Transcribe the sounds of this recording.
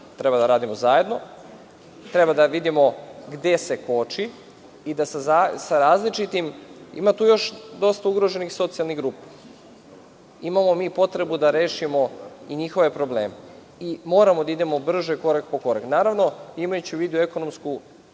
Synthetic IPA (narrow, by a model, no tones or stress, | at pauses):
t̪ɾe̞bad̪aɾaːd̪imo̞zaje̞d̪no̞ | t̪ɾe̞bad̪aʋid̪imo̞ɡd̪e̞se̞ko̞t͡ʃi | id̪asazasaɾaːzlit͡ʃit̪imḭmat̪uːjo̞ʃd̪o̞st̪auɡɾoʒenixso̞t̪sijalˠniɣɡɾuːpe̥ | imamo̞miːpo̞t̪ɾe̞bud̪aɾe̞ːʃimo̞iɲixo̞ʋe̞pɾo̞ble̞ːme | imo̞ːɾamo̞d̪aid̪e̞mobr̩ʒeko̞ɾakpo̞ko̞ɾaknaːɾaʋno̞imajut͡ɕiuʋiːd̪ue̞ko̞nomsku